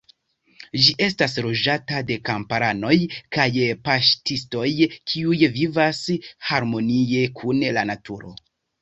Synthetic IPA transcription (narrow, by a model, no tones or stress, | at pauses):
d͡ʒiʔe̞stas̬ɾo̞d͡ʒatade̞kampaɾano̞jkajpaʃtisto̞jkʰiujvivashaɾmo̞nie̞kʰunlanatʰuɾo̞̰